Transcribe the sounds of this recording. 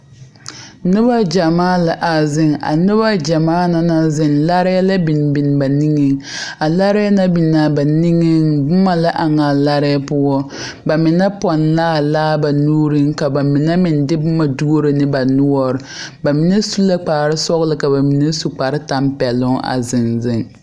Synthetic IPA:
nɪ˦ba˦d͡ʒa˨maː˦la˨ʔa˨zɪ˦ŋa̰˨nɪ˦βa˦d͡ʒa˨maː˦na˦na˦zɪ˦nla˦ɾɪ˦la˦bi˨n˨bɪ˨n˨ba˨ni˦ŋɪ˦ŋ | a˨la˦ɾɛ˦na˦bi˨naː˨ba˨ni˦ŋɪ˦ŋbʊ˦ma˨la˦ʔa˨ŋa˨la˦ɾɛ˦pʊ˦ɔ˦ | ba˨mɪ˨nɛ˦pɔ˨nlaː˦laː˦ba˨nuː˦ɾɪ˦ŋka˨ba˨mɪ˨nɛ˦mɪ˨ndɪ˦bʊ˦ma˨du˦o˦ɾɨ˨nɪ˦ba˨nʊ˦ɔ˦ɾɨ˨ba˨mi˨nɛ˦su˦la˦k͡pa˨ɾɪ˦sɔ˦ɣlɨ˦ka˨ba˨mi˨nɛ˦su˦k͡pa˨ɾɪ˦ta˦mpɛ˨lʊ˦ŋ˦ʔa̰˨zɪ˨nzɪ˦ŋ˨

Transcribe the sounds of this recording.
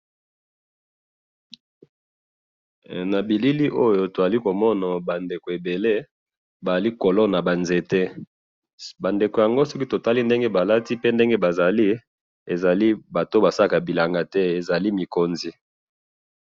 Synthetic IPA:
na˨bi˨li˦li˦ʔo˦jo˨to˨za˨li˦ko˨mɔ˦na˨ba˨nde˨ko˨e˨be˨le˦ | ba˨a˨li˦ko˨lɔ˦na˨ba˨nze˨tɛ˦ | ba˨nde˨ko˨ja˨ŋɡo˦sɔ˦ki˦to˨ta˦li˦nde˦ŋɡe˦ba˨la˦ti˦pe˦nde˦ŋɡe˦ba˨za˨li˦ | e˨za˨li˦ba˨to˦ba˨sa˦la˨ka˨bi˨la˨ŋɡa˦tɛ˦e˨za˨li˦mi˨ko˨nzi˨

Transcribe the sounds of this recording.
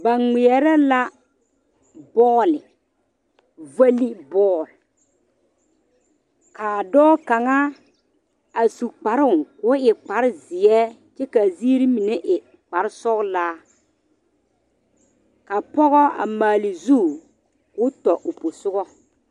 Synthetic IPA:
ba˨ŋɪ˨ɛ˨ɾɛ˦la˦ | bɔː˦lɪ˨ | va˦li˦bɔː˦˨l | kaː˨dɔː˦ka˨ŋa˦ | a˨su˨k͡pa˨ɾʊ˦ʊ˨ŋkʊ˨˦ɪ˨k͡pa˨ɾɪ˦zɪ˨ɛ˦ | t͡ʃɛ˦ka˨ziː˦ɾi˦mi˨nɛ˦ʔɪ˨ | k͡pa˨ɾɪ˦sɔ˦ɣlaː˦ | ka˨pɔ˦ɣɔ˦a̰˨maː˨lɪ˨zu˦˨ | kʊ˦tɔ˨ʔʊ˨pʊ˨sʊ˦ɣɔ˦

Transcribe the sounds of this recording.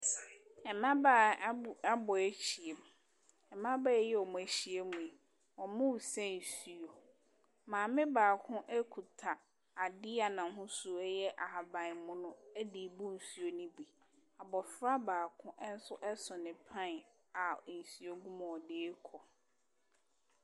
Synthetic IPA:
ɛ˨mã˦baː˦˨˦a˦bɔ˨e˦t͡ɕʰi˨e˨m˨ | ɛ˨mã˦ba˦˨jɛ˦ɔ˨mʊ̃˨æ˨ɕi˦e˦mũ˨e˨ | ɔ˨mʊ̃˦wu˨sɛ˦n̩˨su˦o˨ | mãː˨mɪ̃˦baː˨kʰʊ̃˦ʔɛ˦kʰu˨tʰa˨ | a˨dɪ˦a˨nã˨˦ɦʊ̃˦su˦ɛ˦jɛ˦ʔa˨a˨bã˨mʊ̃˦nʊ̃˦æ˦di˨bu˦n̩˨su˦o˨nĩ˦bi˨ | a˨bɔ˨fɾa˦baː˨kʰʊ̃˦ʔn̩˦sʊ˦ʔɛ˦sʊ˨nɪ̃˨pʰã˦n˨ | a˨n̩˨su˨o˨ɡũ˦m̃˨ɔ˨deː˨˦kʰɔ˨

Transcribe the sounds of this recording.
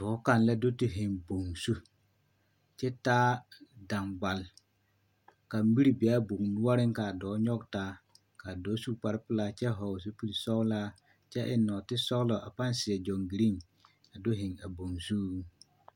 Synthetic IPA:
tɔ˨˦ka˦˨nla˦do˦tɪ˦ɦɪ˨ŋbo˨ŋsu˦ | t͡ʃɛ˦taː˦da˨mɡ͡ba˨l | ka˨m˦bi˦ɾi˦bɪ˨a˦bʊ˨ŋnu˦a˦ɾɪ˦ŋka˨dɔː˨˦ɲɔ˦ɡtaː˦ | ka˨dɔː˨˦su˦pa˨ɾɪ˦pɪ˦laː˦˨t͡ʃɛ˦ɦɔ˨s̬u˦pi˦lsɔ˦wlaː˦ | t͡ʃɛ˦ʔɪ˨nːɔ˨tɪ˦sɔ˦wlɔ˨a˨pa˦n˦sɪ˨ɛ˨d͡ʒɔ˨ŋɡi˨ɾi˦ŋ | a˨do˦ɦɪ˨ŋa˨bo˨ŋsu˦

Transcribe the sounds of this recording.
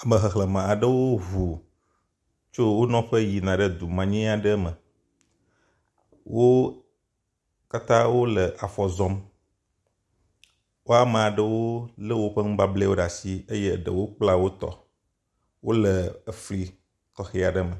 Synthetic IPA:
a˨mə̃˨ɦə˨xlə˨mã˨a˨ɖə˦wo˦ɦu˨ | t͡ʃo˦wo˦nɔ̃˦ɸə˦ji˨nã˨ɖə˦d̪u˨mã˨ɲĩ˦a˨ɖə˦mə˨ | wʔo˦ | ka˦t̪ã˦wo˦lə˨ʔa˨fɔ˨zɔ̃˦m | wo˦a˦mã˨a˨ɖə˦wo˦lə˦wo˦ɸə˦ŋ̩̃˦ba˦ble˦wo˦ɖa˨si˦e˦je˦˨ɖə̰˨wo˦k͡pla˦wo˦t̪ɔ̰˨ | wo˦lə˨ə˨fli˨ | kɔ˨xe˨a˨ɖə˦mə˨

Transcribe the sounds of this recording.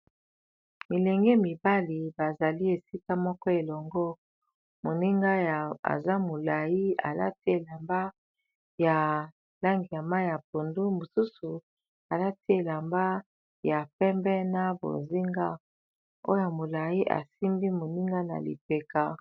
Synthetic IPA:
mi˨lɛ˨ŋɡe˦mi˨ba˦li˨ba˨za˨li˦e˨si˦ka˦mɔ˦kɔ˦e˨lɔ˨ŋɡɔ˦ | mo˨ni˦ŋɡa˦ja̰˨za˦mo˨la˨ji˦a̰˨la̰˦ti˦e˨la˨mba˦ | ja˨ | la˦ŋɡi˨ja˨ma˦i˦ja˨p̚o˨ndu˦mo˨su˦su˨ | a˨la˦ti˦e˨la˨mba˦ | ja˨pɛ˦mbɛ˦na˦bo̰˨zi˦ŋɡa˦ | o̰˦ja˨mo˨la˨ji˦ʔa̰˨si˦mbi˦mo˨ni˦ŋɡa˦na̰˨lḭ˨pe˨ka˦

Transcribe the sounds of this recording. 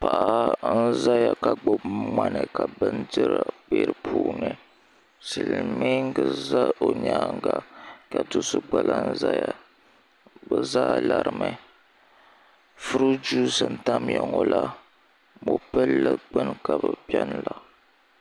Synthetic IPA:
pa˨ʔa˨˦n̩˦za˦ja˨ka˨ɡ͡bo˦bma˦nɨ˨ka˨bɨ˦ndɨ˦ɾa˨beː˦ɾɨ˨pʰuː˦˨nɨ˨ | sɨ˨lɨ˨mi˦ŋ̩˦ɡɨ˨za˦o˨ɲaː˦ŋ˦ɡa˨ka˨tu˦sɨ˦ɡ͡ba˨lʔa˦n̩˦za˦ja˨ | bɨ˨za˦la˨ɾɨ˨mɨ˦ | fu˦ɾu˦d͡ʒu˦sɨ˨n̩˦ta˦mjɛ˨ŋo˨la˦ | mo˨pɛ˦lːɨ˦ɡ͡bɨ˦nka˨bɨ˨pi˦ɛ˦n˦la˨

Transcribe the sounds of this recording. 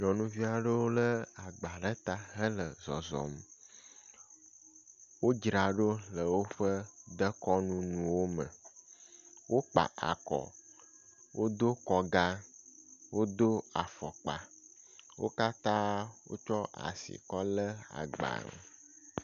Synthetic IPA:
ɲɔ̃˨nũ˦vi˦a˨ɖə˦wo˦lə˦a˨ɡ͡ba˨ɖə˦t̪a˦ɦə˦lə˨zɔ̰˨zɔ̰˨m | wo˦d͡ʒɾa˨ɖo˦lə˨wo˦ɸə˦d̪ə˦kɔ˦nũ˦nũ˨wo˦mə̰˨ | wo˦k͡pa̰˨ʔa̰˨kɔ̰˨ | wʔo˦d̪o˦kɔ˨ɡa˦ | wo˦d̪o˦a˨fɔ˨k͡pa̰˨ | wo̰˦ka˦t̪ã˦wo̰˦t͡ʃɔ˦ʔa̰˨sḭ˨kɔ˦lə˦a̰˨ɡ͡ba̰˨ŋ̰˨

